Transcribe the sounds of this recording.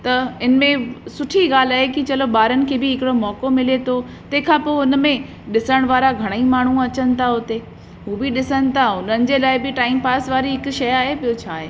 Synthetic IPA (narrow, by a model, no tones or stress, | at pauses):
t̪ɐɪnmẽsʊʈʰiɡaːl̤aːɦekit͡ɕɐloɓaːɾənɪ̆kʰeːbɪɦɪkɪɽomɔːkomɪlet̪ʰo | t̪ɐɦkʰãːpoːʊnmẽ | ɗɪsəɽ̃ʋaːɾaɡʱɐɽ̃əimaːɳ̤ũɐt͡ɕənɪ̆t̪ʰaɦʊt̪e | ɦuːbɪɗɪsənɪ̆t̪ʰaʊnənɪ̆d͡ʑelaːɪbɪʈaːɪmpaːsʋaːɾiɦɪkʊʃɐjaːɦepijot͡ɕʰaːɦeː